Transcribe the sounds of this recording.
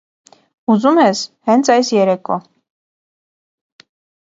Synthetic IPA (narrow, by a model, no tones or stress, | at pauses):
uzumɛshɛnt̪t͡sʰɑjsjɛɾɛkʰʼɔ